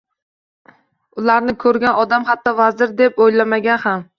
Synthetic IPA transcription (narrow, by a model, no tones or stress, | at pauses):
ʊlaɾnɪkʰɵɾɡʲanɒd̪amhat̪ʰːɒvazɪɾd̪epojlamaɡʲanham